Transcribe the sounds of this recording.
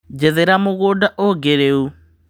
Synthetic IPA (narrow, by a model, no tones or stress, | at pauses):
d͡ʑeðeɾamoɣoːdaʔoɡeɾeu